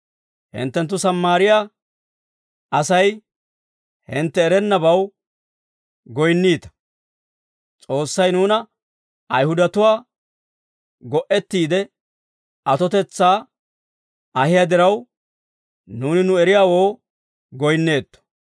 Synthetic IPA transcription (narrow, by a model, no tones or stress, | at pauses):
hɪ̰nt̪ːɛnt̪̬ːʊsɐmːaːɾɪjaː | ʔɐsɐj | hɪnt̪ːɛːɾɛnːɐbɐw | ɡɔjnːiːt̪ɐ̥ | t͡sʼo̞ːsːɐjnuːnɐ | ʔɐjhʊd̪ɐt̪ʊwaː | ɡɔʔɛt̪ːiːd̪ɛ | ʔɐt̪ɔt̪ɛt͡sːaː | ɐhɪjad̪ɪɾɐw | nuːnɪnʊɛɾɪjaːwo̞ː | ɡɔjnːe̞ːt̪ːɔ̥